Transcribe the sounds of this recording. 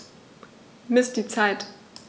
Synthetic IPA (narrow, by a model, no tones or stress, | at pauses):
mɪsd̥iːt͡saɪt